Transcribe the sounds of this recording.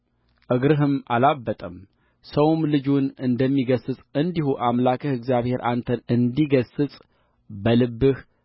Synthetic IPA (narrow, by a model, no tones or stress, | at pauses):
ʔɨɡɾɨɦɨmʔalabːət̪ʼəm | səwmlɨd͡ʒunɨnd̪əmːiɡəsɨsʼɨnd̪ihuʔamlakʰəhɨɡzijaβhe̞ɾʔant̪ʰənɨnd̪iɡəsɨsʼ | bəlɨbːɨh